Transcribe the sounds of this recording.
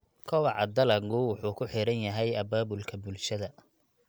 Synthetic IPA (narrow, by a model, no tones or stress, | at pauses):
kʰɔwɑʕɑd̪ɐlɐɡɡʊwʊħuːkʰʊħɪɾɐnjɐɦɛjɐbaːbʊlkʰɐbʊlʃɐðɐ